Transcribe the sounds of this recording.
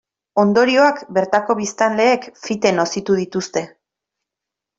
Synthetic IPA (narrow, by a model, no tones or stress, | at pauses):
o̞nd̪o̞ɾio̞akbe̞ɾt̪ako̞βist̪anle̞ːkfit̪e̞no̞sit̪uð̞it̪ust̪e̞